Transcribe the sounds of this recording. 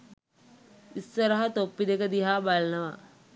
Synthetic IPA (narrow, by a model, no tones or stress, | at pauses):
ist̪ɐɾɐɦɐt̪oːpːid̪ekɐd̪iɦaːbalnɐʋa